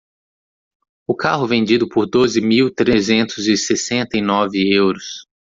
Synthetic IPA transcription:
ʊkaɦʊvẽnd͡ʒid̪ʊpʊɾd̪ozɪmiwt̪ɾezẽnt̪ʊzɪsesẽnt̪ɐinɔvɪewɾʊs

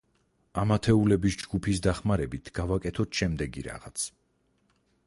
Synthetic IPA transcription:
amat̪ʰɛulɛbisd͡ʒɡupʰisd̪aχmaɾɛbit̪ʰɡ̥avakʼɛt̪ʰɔt̪ʰʃɛmd̪ɛɡḭɾa̰ʁat̪sʰ

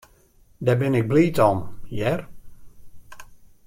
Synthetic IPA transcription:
dɛbɪnɪɡ̚bliːtɔmjɛr

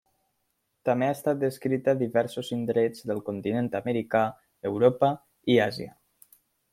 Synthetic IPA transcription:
t̪ameast̪at̪̚d̪əskɾit̪əðiβɛɾsozind̪ɾed͡zðəlˠkont̪inent̪aməɾika | əwɾopə | iaziə̰

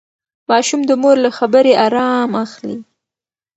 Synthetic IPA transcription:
mɑʃumd̪əmoɾlaxabəɾeʔɑɾɑmaxli

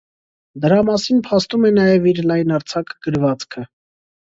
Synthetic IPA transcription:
d̪əɾɑmɑsinpʰɑst̪umɛnɑjɛviɾlɑjnɑɾt͡sʰɑkʰɡ̥əɾvɑt͡skʰə

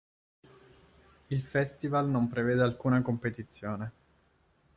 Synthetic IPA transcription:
ilfɛst̪ivalnompɾeveːd̪ealkuːnakompet̪it̪sːjoːne

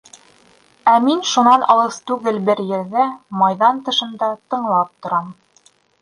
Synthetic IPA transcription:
æminʃunɑnʔɑlˠɤst̪ʉɡɘlbɘɾjɘ̆ɾðæmɑjðɑnt̪ɤ̆ʃɤ̆nd̪ɑt̪ɤ̆ɴlˠɑp̚t̪ŏɾɑm

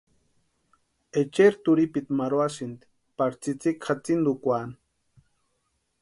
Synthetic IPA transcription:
et͡ʃeɾt̪uɾipit̪maɾoasind̪i̥ | paɾt͡sit͡sikχat͡sind̪ukʷan

